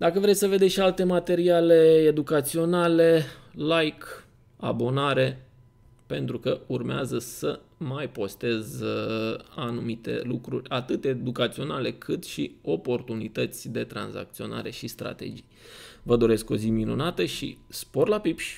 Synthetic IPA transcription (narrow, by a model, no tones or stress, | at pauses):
d̪akəvɾej̪səve̞d̪eʃialt̪e̞mat̪e̞ɾiale̞ːd̪ukat̪sio̞nale̞lajk | a̰bo̞naɾe̞ | pe̞nt̪ɾukəurmeazəsə | majpo̞st̪e̞z | anumit̪e̞̰lukɾṵrʲat̪ɨt̪ed̪ukat̪sio̞nale̞kʰɨt̪ʃio̞po̞rt̪unit̪ət̪sʲd̪e̞t̪ɾa̰nza̰k̚t̪sio̞na̰ɾe̞ʃist̪ɾa̰t̪e̞̰d͡ʒijvəd̪o̞ɾe̞sko̞ziminunat̪əʃḭspo̞rlapipʃʲ